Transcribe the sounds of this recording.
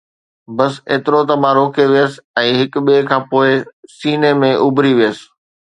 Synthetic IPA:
bɐsḛːt̪ɪɾot̪ɐm̤ãɾoːkʰeʋijəs̆ɛ̃ːɦɪkɓiekʰãːpoːɪsiːnemẽʔʊbʱɾiʋijəsɪ̥̆

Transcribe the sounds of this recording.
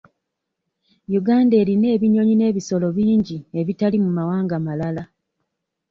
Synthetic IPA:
juɡaːnde̞ːɾine̞ːβiɲo̞ɲine̞ːβiso̞lo̞βiːɲɟie̞βitalimumawaːŋɡamalala

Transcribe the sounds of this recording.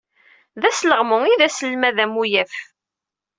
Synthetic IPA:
ðæsləʁmʊiðæsəlmæðæmujæf

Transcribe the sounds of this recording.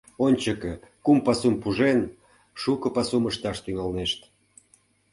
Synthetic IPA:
onʲt͡ɕəkekumpɑsumpuʒen | ʃukɤ̆pɑsuməʃt̪ɑʃt̪yŋɑlneʃt̪

